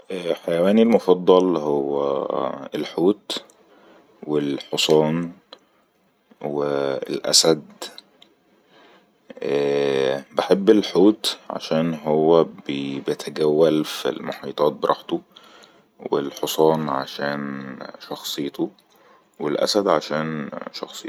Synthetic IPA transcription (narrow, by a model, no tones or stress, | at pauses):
ʔæħajæwæːnilmofɑd̪ˤːɑlhowːæ̰elħuːt̪ | welħosˤɑːn | weḛlʔæ̰sæd̪ | ʔæːbeħebːelħuːt̪ʕa̰ʃæːnɦowːæbbjet̪ʰæɡæwːælfḭlmoħiːt̪ˤɑːt̪̚beɾˤʔɑ̰ːħt̪o | wḛlħosˤɑːnʕa̰ʃæːnʃɑxsˤejt̪o | welʔæ̰sæd̪ʕaʃæːnʃɑ̰xsˤɨj